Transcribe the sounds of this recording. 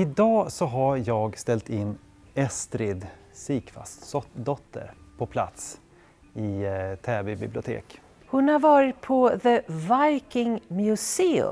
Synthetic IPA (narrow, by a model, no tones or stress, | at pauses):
ɪd̪ɑːsɔɦajɑːɡst̪ɛlt̪ɪnː | ɛst̪ɾɪd̪ | siːkfa̰st̪sɔd̪ɔt̪ʰːə̰ɾpʰɔpʰla̰t̪s | ɪt̪ʰɛːbɪbɪblɪʊt̪ʰḛːk | hʊnhaɾvɑːɾɪt̪̚pʰɔðəvajkɪŋmjɵseːɵ̰